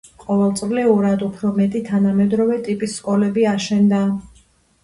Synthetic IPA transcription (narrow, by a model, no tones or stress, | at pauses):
qʼɔvɛlˠt̪sʼvlɛuɾad̪upʰɾɔmɛt̪ʼit̪ʰanamɛd̪ɾɔvɛt̪ʼipʼisːkʼɔlɛbiaʃɛnd̪a